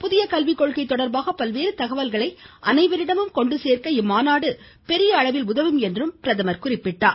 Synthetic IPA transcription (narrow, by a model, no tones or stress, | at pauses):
pʊðɪjɐkɐlʋɪkːɔɭɣɐɪt̪ːɔɽɐɾbaːɣɐpɐlʋeːɾɯt̪ɐɣɐʋɐlɣɐɭɐɪʔɐnɐɪʋɐɾɪɽɐmɯmkɔɳɖɯseːrkɐɪmːaːnaːɽɯ | pɛɾɪjɐːɭɐʋɪlʊðɐʋɯmɛndrɯmpɪɾɐðɐmɐɾkʊrɪpːɪʈːaː